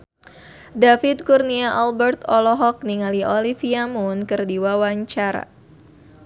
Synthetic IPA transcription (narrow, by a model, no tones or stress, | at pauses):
dafɪt̪̚kurniaʔalbɛrt̪ɔlɔɦɔk̚niŋaliʔɔlifiamunkɨrdiwawaɲt͡ʃaɾa̰